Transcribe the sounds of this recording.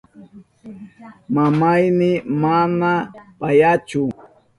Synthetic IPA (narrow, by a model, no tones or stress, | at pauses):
mamajmɪmanapajat͡ʃʊ